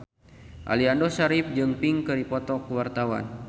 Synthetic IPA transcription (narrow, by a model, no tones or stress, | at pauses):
ʔa̰liandɔsaɾip̚d͡ʒɨŋpiŋkɨɾipɔt̪ɔkəwart̪awa̰n